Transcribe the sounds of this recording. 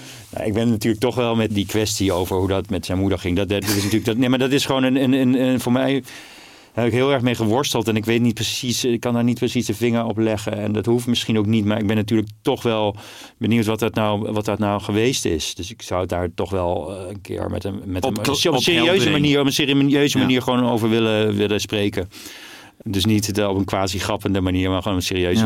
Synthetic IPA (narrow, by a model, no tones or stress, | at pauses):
na̰ʔɪɡ̚bɛnnatyːɹlək̚tɔχʋɛlˠmɛtdikʋɛstiowvəɹɦudɑtmɛtsɛjnmudəɹχɪŋddtɪsnatyːləɡdnejmaːɹdɑtɪsχəʋoːnənənənəvoːɹmɛj | hɛpɪkɦɪːlˠɛɹχmejχəʋɔɹstəlˠtɛnɪkʋejtnit̚prəsisɪkːɑndaːɹnit̚prəsisdəvɪŋəɹɔplɛχəɛndɑtɦuftmɪsχinowknitmaːɹɪɡ̚bɛnːatyːɹlək̚tɔχʋɛlˠ | bəniwtʋɑtɑtnawʋɑt̚dɑtnawχəʋejstɪ̰sd̥øsɪksawdaːɹtɔχʋɛlˠənkɪ̰ːɹmɛ̰təmɛɔpsɪːriøɥzəmaniːɹɔpənsɪːriøɥzəmaniːɹχəʋownowvəɹʋɪləʋɪləsprejkə | dɵs̬nitɔpənkʋaːziχrɑpəndəmaniːɹmaːχoːnɔpənsɪːriøɥ